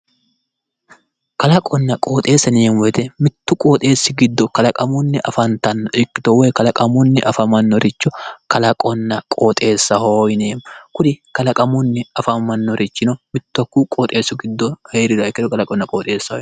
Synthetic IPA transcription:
kɐlɐkʼɔnːɐkʼo̞ːt̪ʼe̞ːsɐniːnwɔjt̪ɛmɪt̪ːʊkʼoːt̪ʼe̞ːsːɪɡɪd̪ːɔkɐlɐkʼɐmʊnːɪʔɐfɐnt̪ɐnːɔɪkːɪt̪ɔwɛjkɐlɐkʼɐmʊnːɪʔɐfɐmɐnːɔɾɪt͡ʃːɔkɐlɐkʼɔnːɐkʼoːt̪ʼe̞ːsːɐhoːjneːmkʊd̪ɪkɐlɐkʼɐmʊnːɪɐfɐmɐnːɔɾɪt͡ʃːɪnɔmɪt̪ːɐkːuːkʼoːt̪ʼe̞ːsːʊɡɪd̪ːɔheːɾɪd̪ɐɪkːɪt̪ɔkɐlɐkʼɔnːɐkʼoːt̪ʼe̞ːsːɐhɔjn

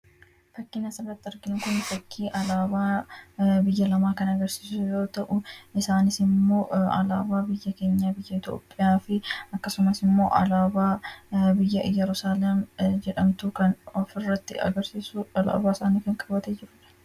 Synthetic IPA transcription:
fɐkːɪːnɐsɐrːɐt̪ːɪɐɾɡɪnʊkʊnfɐkʰːiːʔɐlaːbaː | bɪjːɐlɐmaːkɐnɐɡɐɾsiːsʊjo̞ːt̪ɐʔʊɪsaːnɪsɪmːo̞ːɐ̰la̰ːbaːbɪjːɐke̞ːɲːaːbɪjːɐɪt̪o̰ːpʼːɪjaːfɪɐkːɐsʊmɐsɪmːo̞̰ːʔɐ̰laːbaːbɪjːɐʔɪjɐɾʊsaːlɐmd͡ʒɛᶑɐmt̪uːkɐnɔfɪrːɐt̪ːɪ̰ɐ̰ɡɐɾsiːsʊɐla̰ːbaːɪsaːniːkɐŋkʼɐbɐt̪eːd͡ʒɪɾʊᶑɐ̥

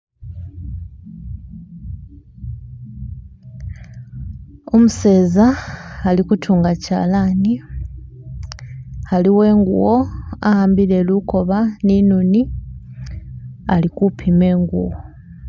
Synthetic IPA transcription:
o̞muse̞ːzaːlikutʰuːŋɡaca̰ːlani | haliwe̞ːŋɡṵwo̞a̰haːmbiɾeluko̞βaninuni | alikupʰime̞ːŋɡṵwo

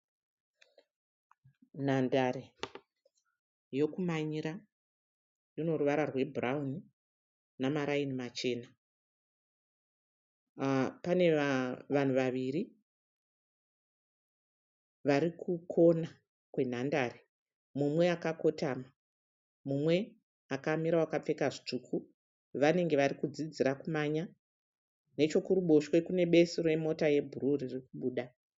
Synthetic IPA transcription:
n̤andaɾe | jo̞kumaɲiɾa | rino̞ruʋaɾarwe̞bʱurauni | namaɾainimat͡ʃe̞ːna | pane̞ʋan̤uʋaʋiɾi | ʋaɾikʰukʰo̞na | kwe̞n̤andare | mumwe̞akako̞taːma | mumwe̞ | akamiɾawakap͡fe̞kaʐit͡ʂukʰu | ʋane̞ŋɡe̞ʋarikud͡zid͡ziɾakumaɲa | ne̞t͡ʃo̞kuɾuɓo̞ʃwe̞kune̞ɓe̞siroemo̞taje̞bʱuɾuririkuɓuːɗa

